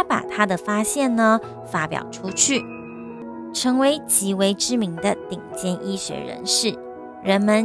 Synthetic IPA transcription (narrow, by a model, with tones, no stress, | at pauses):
a˥pa̰˨˩t̪ʰa˥d̪ə˨fa˥ɕjɛ˥˩nnə˧ | fa˥pjɑ̰˨˩ʊʈ͡ʂʰu˥t͡ɕʰy˥˩ | ʈ͡ʂʰɤ˧˥ŋwe˧˥ɪt͡ɕi˧˥we˧˥ɪʈ͡ʂɻ̩˥mi˧˥ŋd̪ə˧t̪i˨˩ŋt͡ɕjɛ˥nʔi˥ɕɥɛ̰˧˥ɻə̰˧˥nʂɻ̩˥˩ | ɻə˧˥nmə˧n